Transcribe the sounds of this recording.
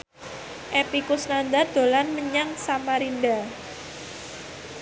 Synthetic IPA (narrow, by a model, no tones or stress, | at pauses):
ʔepikusnand̪ard̪̥o̤lanməɲaŋsamaɾinda